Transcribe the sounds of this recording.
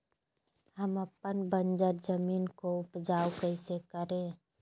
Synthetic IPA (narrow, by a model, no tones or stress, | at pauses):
ɦəməpənbənd͡ʒəɾd͡ʒəmiːnkoʊpd͡ʒaːwkəɪsekəɾẽː